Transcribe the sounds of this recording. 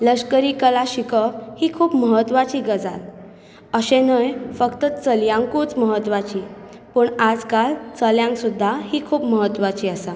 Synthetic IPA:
ləɕkəɾiːkəlaɕikəʋhiːkʰuːpməɦət̪ʋat͡ɕiːɡəd͡za̰l | əɕẽnəjfəkt̪ət͡səljãŋkut͡sməɦət̪ʋat͡ɕiː | pəɳad͡zkalt͡səljãŋksud̪ʱːahiːkʰuːpməɦət̪ːʋat͡ɕiːəsa

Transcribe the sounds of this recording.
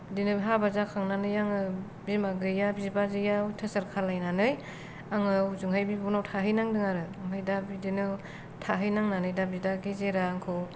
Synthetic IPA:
dinɯɦabazakʰaŋnanɯjaŋɯ | bimaɡɯjabizbazɯjatʰɯsaɾkʰaɾlajnanɯj | aŋɯzuŋɦajbibunawtʰaɦɯjnaŋdɯŋaɾɯamɦɯjdabidinɯ | tʰaɦɯjnaŋnanɯjdabidaɡizeɾaŋkʰɯw

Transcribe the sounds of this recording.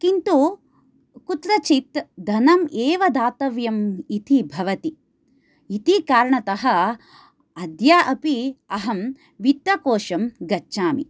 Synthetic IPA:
kint̪u | kut̪ɾɐt͡ʃit̪d̪ʱɐnɐmeːʋɐd̪aːt̪ɐʋjɐmit̪ibʱɐʋɐt̪iː | t̪ikaːɾɐɳɐt̪ɐɦɐ̆ | ɐd̪jaːʔɐpiɐɦɐm | ʋit̪ːɐkoːʃɐmɡɐtːʃaːmḭ

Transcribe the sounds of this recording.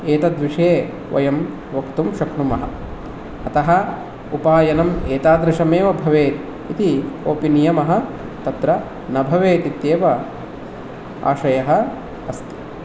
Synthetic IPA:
eːt̪ɐd̪ʋiʂeː | ʋɐ̰jɐm | ʋɐkt̪umʃɐkɳumɐɦɐ̆ | ɐt̪ɐɦɐ̆ | upaːjɐnɐmeːt̪aːd̪ɾɪʃɐmeːʋɐbʱɐʋeːt̪ | it̪ioːpinijɐmɐɦɐ̆ | t̪ɐt̪ɾɐ | nɐbʱɐʋeːt̪it̪jeːʋɐ | a̰ːʃɐjɐɦɐ | ɐst̪i̥

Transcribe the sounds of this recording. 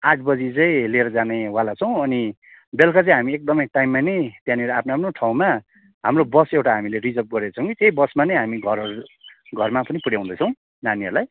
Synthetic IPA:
ãʈʰbʌd͡zit͡sʌĩleɾʌd͡zanewalat͡sʰʌw̃ʌni | belkat͡sʌ̃ĩɦamiek̚d̪ʌmʌjʈajmːanʌjt̪jãniɾaapʰnoapnoʈʰaw̃ma | ɦamrobʌsewʈaɦamilerid͡zʌp̚ɡʌɾet͡sʰʌ̃w̃kit̪ejbʌsmanʌjɦamiɡʱʌɾʌɾuɡʱʌrmapʌnipuɽjaw̃ũnd̪ʌt͡sʰʌ̃w̃ | naniʌrlaj

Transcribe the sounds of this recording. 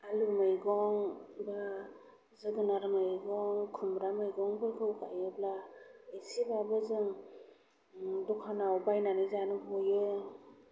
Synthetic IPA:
alumɯjɡɔŋba | zɯɡɯnaɾɯmɯjɡɔŋkʰumɾamɯjɡɔŋbɯɡɯwɡajɯblaisibabɯzɯŋ | dɔkʰanawbajnanɯzanɯɦojɯ

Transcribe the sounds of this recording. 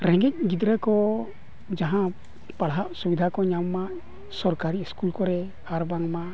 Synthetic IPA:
ɾɛŋɡɛc̚ˀɡid̪ɾɛkɔ | d͡ʒaɦã | paɽɦaʔsubid̪ʱakɔɲamːaʔ | sɔɾkaɾiːskulkɔɾɛ | aɾbaŋmaʔ

